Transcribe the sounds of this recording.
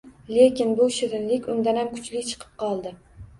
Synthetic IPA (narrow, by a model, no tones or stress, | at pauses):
lekʲɪnbʊʃɪɾɪnlɪkʲʊnd̪anamkʰʊ̥t͡ʃlɪkʲt͡ʃʰɨ̥qʰɨ̥p̚qʰɒlˠd̪ɪ